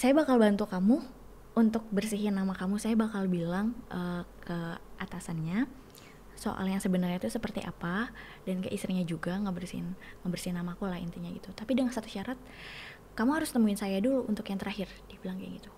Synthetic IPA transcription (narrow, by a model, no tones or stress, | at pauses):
sajabakalbant̪ukamu | ʔunt̪ʊk̚bərsiɦɪnːamakamusajabakalbilaŋʔəkʰəʔat̪asanɲa | so̰ʔa̰ljaŋsəbənarɲait̪usəpərt̪ḭʔa̰pa | dankə̰ʔist̪ɾiɲad͡ʒuɡaŋəbərsinŋəbərsinamakulahḭnt̪iɲaɡit̪ut̪apidəŋansat̪u̥ʃaɾat̪̚ | kamuɦaɾʊst̪əmuɪnsajaduluʔunt̪ʊkjaŋt̪əɾʔahɪrdibilaŋkja̰ɡit̪u̥